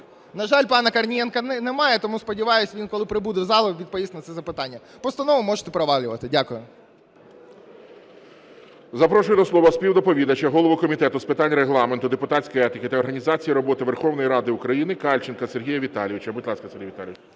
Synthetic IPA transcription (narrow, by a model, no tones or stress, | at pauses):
nɐʒɑlʲpɑnɐkɐrnʲijɛnkɐnnɛmɑjɛt̪ɔmuspɔdʲiʋɑjʊsʲʋʲinkɔlˠɪpɾɪbud̪ɪwzɑlˠɔʋʲid̪̚pɔʋisnɐt̪sɛzɐpɪt̪ɑnʲːɐ | pɔst̪ɐnɔʋʊmɔʒet̪ɛpɾɔʋɑlʲʊʋɐt̪ɪdʲakʊjʊ | zɐpɾɔʃʊjd̪ɔslˠɔʋɐsʲpʲiwd̪ɔpɔʋʲid̪ɐt͡ʃɐɦɔlˠɔʋɔkɔmʲit̪ɛt̪ʊspɪt̪ɑnʲɾeɦlˠɑment̪ʊd̪epʊt̪at͡sʲkɔjɛt̪ʲɪkɪt̪ɐɔrɦɐnʲizɑt͡sʲijiɾɔbɔt̪ɪʋerxɔwnɔjɾɑd̪ɪʊkɾɐjinɪkɑlʲt͡ʃɪnkɐserɦʲijɐʋʲit̪ɑlʲiʋɪt͡ʃɐbɪt̪lˠɑsʲkɐseɾʲrʲɦijʋʲit̪alʲiʋt͡ʃ